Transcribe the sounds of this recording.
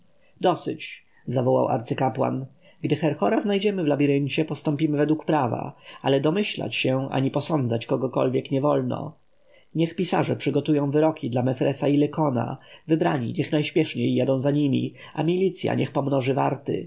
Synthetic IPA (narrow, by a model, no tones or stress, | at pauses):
d̪ɔsɘ̰t͡ɕ | zavɔwa̰wʔa̰ɾt̪sɘkapwa̰n | ɡd̪ɘxɛɾxɔɾaznajd͡ʑɛmɘvlabʲiɾɘɲt͡ɕɛpɔst̪ɔmpʲimɘvɛd̪wukpɾava̰alɛd̪ɔmɘɕla̰t͡ɕɕɛʔa̰ɲipɔsɔnd̪zat͡ɕkɔɡɔkɔ̰lvʲjɛkɲɛvɔlnɔ̰ | ɲɛxpʲisa̰ʐɛpʂɘɡɔt̪ujɔ̃w̃vɘɾɔkʲid̪lamɛfɾʔɛsailɛkɔna̰vɘbɾaɲḭɲɛxnajɕpʲjɛʂɲejːad̪ɔ̃w̃zaɲimʲḭ | amʲilʲit̪sʲja̰ɲʔɛxpɔmnɔʐɘvaɾt̪ɘ̰